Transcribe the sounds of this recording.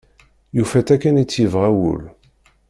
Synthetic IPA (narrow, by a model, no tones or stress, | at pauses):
jufæθækːænit͡sːjivʁæwṵl